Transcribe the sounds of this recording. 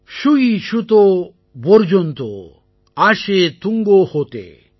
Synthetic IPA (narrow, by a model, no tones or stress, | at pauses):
ʃuiʃut̪o | boɾd͡ʑont̪o̰ | aʃet̪uŋɡohot̪ḛ